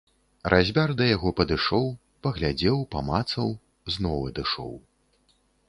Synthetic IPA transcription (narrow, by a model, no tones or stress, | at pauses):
rʔazʲbʲard̪ɐjaɣɔpɐd̪ɨʂɔw | pɐɣlʲad͡zʲɛwpamat̪sɐw | znɔwɐd̪ɨʂɔ̰w